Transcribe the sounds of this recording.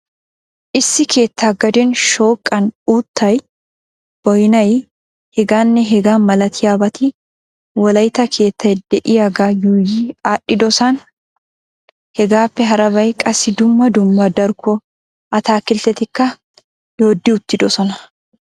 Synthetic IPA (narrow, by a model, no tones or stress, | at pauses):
ʔɪsːɪkʰe̞ːt̪ːaːɡɐd̪eːnʃo̞ːkʼːɐnuːt̪ːɐj | b̥ɔjnɐj | hɛɡaːnːɛɦɛɡaːnmːɐlɐt̪ʰɪjaːbɐt̪i | wɐlɐjt̪ɐkʰe̞ːt̪ːɐɛd̪ːɛʔɪaɡaːjuːjiaːʔɪd̪ɔsan | hɛɡaːfːɛɦɐɾɐbɐjkʼɐsɪd̪ʊmːɐd̪ʊmːɐd̪ɐɾɡɔ | ʔɐt̪aːkːɪlt̪ɛt̪ɪkːɐ | joːd̪ːɪʊt̪ːɪd̪ɔsɔnɐ